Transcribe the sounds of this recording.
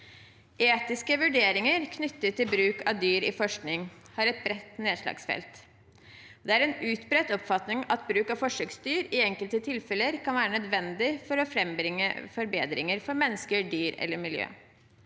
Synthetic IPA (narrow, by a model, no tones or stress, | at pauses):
ʔeːt̪ɪskəʋʉɖeːɾɪŋəɾkʰnʏt̪ːət̪ʰːɪlbɾʉːkɑʋd̪yːɾɪ̰fɔʂknɪŋ | hɑɾɛt̪̚bɾɛt̪neːd̪ʂlɑ̰ːɡsfɛ̰lt̪ | d̪ɛæɾɛnʉːt̪bɾɛt̪ɔpfɑt̪nɪŋɑt̪̚bɾʉːkɑʋfɔʂøːksst̪yːɾɪɛŋkəlt̪ət̪ʰɪlfɛləɾkɑnʋæːɾənɛd̪ʋɛnd̪ɪfɔɾɔfɾɛmbɾɪŋːə̰fɔɾbḛːd̪ɾɪŋəɾfɔɾmɛnːəskəɖyːɾɛ̰lːəɾmɪljø̰ː